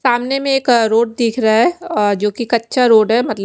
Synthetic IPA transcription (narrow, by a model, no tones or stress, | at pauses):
saːmnemẽeːkɾoːɖ̚d̪iːkʰɾaɦaɦɛd͡ʒoːkikɐtːʃʰaɾoːɖɦɛmɐt̪lə